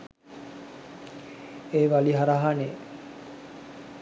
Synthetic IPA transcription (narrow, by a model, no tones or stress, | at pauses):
eːʋaliɦaɾaɦane